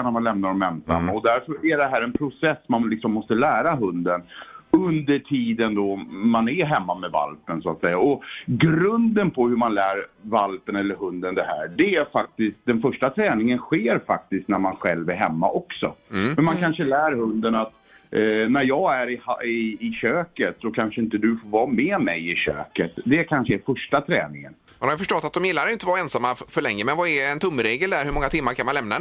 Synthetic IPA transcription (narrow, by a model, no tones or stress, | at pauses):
næɾmanlɛmnaɾɔmɛmsa̰nːaɔd̪æɾfœɾæɖɛɦæːɾɛnpʰɾʊsɛsːmanlɪksɔmːɔst̪əlæːɾaɦɵnd̪ənɵnd̪əʈʰiːd̪ənd̪ɔmanæɦɛmːamɛva̰lpənsʊat̪sɛjːaɔɡɾɵnd̪ənpʰɔhɵmanlæːɾvalpənɛlːəɾɦɵnd̪ənd̪ɛɦæːɖɛæɾfak̚t̪ɪskt̪̚d̪ɛnfœʂʈat̪ʰɾɛːnɪŋənɧeːɾfak̚t̪ɪst̪næɾmanɧɛ̰lvæɾɦɛmːa̰ʔɔksɔ̰mɛnmankʰanʂəlæːɾhɵnd̪ənat̪ | næɾjɑːɡæɾɪhaɪːɕøːkət̪sɔkʰanʂəɪnt̪əd̪ɵfoːɾvɑːmɛːmɛjɪɕø̰ːkət̪d̪ɛkʰanʂəæfœʂʈat̪ʰɾɛːnɪŋə̰n | manhaɾjʏfœʂʈɔt̪ːat̪̚d̪ɔmjɪlːaɾjɪnt̪əvɑːɾɛnsamːafœɭɛŋːəmɛnvɑɛɛnt̪ʰɵmːɾeːɡəld̪æɾhɵɾmɔŋːat̪ʰɪmːaɾkʰanmanlɛmna